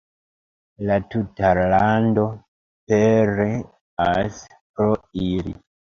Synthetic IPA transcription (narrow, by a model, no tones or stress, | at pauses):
latutalando | peɾe | as | pɾoilḭ